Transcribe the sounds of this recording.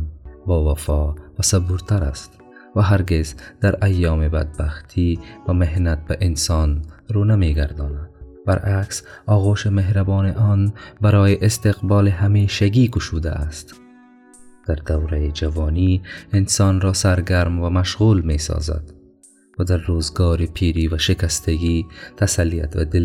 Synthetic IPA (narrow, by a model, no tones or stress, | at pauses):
bɒːvafɔvasabuɾt̪aɾa̰st̪ | vaɦaɾɡezd̪̥aɾajːɑːmeba̰d̪̚baxt̪ʰivameɦnat̪̚baʔɪnsɑnɾonameɡaɾd̪ɔːnad̪ba̰ɾʔaksɒːɣoʃemeɦɾabɔːneʔɔːnbaɾɔːjeʔɪst̪eqbɒːleɦameʃaɡikʊʃud̪a̰ast̪ | d̪̥aɾd̪awɾajed͡ʒavɔːniɪnsɑːnɾɔːsaɾɡaɾmvamaʃɣulmesɒ̰ːza̰d̪ | vad̪aɾːoːzɡɔːɾipʰiːɾiːvaʃɪkast̪aɡit̪ʰasalːija̰t̪va̰d̪ɪl